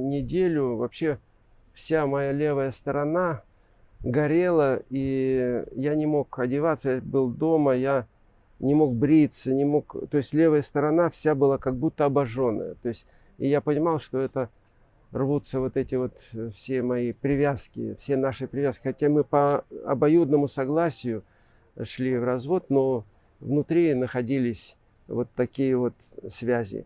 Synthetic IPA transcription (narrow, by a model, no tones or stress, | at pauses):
nʲɪdʲelʲʊvɐpɕːe̞ | fsʲamɐjalʲe̞vəjəst̪əɾɐna | ɡɐɾʲe̞lˠəi | janʲɪmo̞kɐdʲɪvat̪səjabɨlˠd̪o̞məja | nʲɪmo̞k̚bɾʲit̪sənʲɪmo̞kt̪o̞ɪsʲlʲe̞vəjəst̪əɾɐnafsʲabɨlˠakɐɡ̚but̪ːəɐbɐʐo̞nːə̰jə̰t̪o̞ɪsʲtʲ | ɪjapənʲɪmɑlˠʂt̪o̞ɛt̪ə | rvut̪səvo̞t̪ɛtʲɪvo̞t̪fsʲe̞mɐipɾʲɪvʲaskʲɪ̰fsʲe̞naʂɨpɾʲɪvʲaskʲɪ̥xɐtʲamɨpəɐ̰bɐjud̪nəmʊsɐɡlˠasʲɪjʊ | ʂlʲivrɐzvo̞t̪no̞ | vnʊt̪ɾʲinəxɐdʲilʲɪsʲ | vo̞t̪ːɐkʲijəvo̞t̪svʲæzʲɪ̰